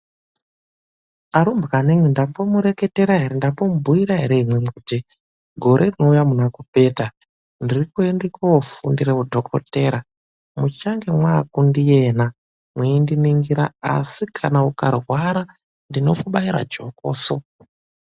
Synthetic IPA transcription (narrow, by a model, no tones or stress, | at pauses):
aɾumbɣanemwindapomuɾe̞ke̞te̞ɾaɦeɾendapomubʱuiɾaɦeɾe̞imwemuti | ɡʱo̞ɾe̞rino̞ujamunakupe̞ːta | ndirikuendekaofundiɾeudʱo̞kʰo̰te̞ːɾa | mut͡ʃaŋɡe̞mwakundije̞na | mwiindiniŋɡiɾa̰a̰sikʰanauka̰rwaɾa | ndino̞kuɓaiɾa̰d͡ʒo̞ko̰ːso